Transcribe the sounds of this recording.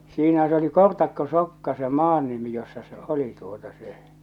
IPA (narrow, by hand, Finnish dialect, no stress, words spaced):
siːnæ s oli kortɑkːosokːɑ se mɑːn nimi josːɑ se oli tuotɑ se